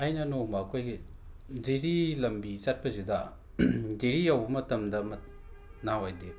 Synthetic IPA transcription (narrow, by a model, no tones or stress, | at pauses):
ajnɐnomakʰojɡi | zeɾilɐmbit͡ʃat̚pɐzida | deɾijawbmɐtɐmdɐmɐ | nawajde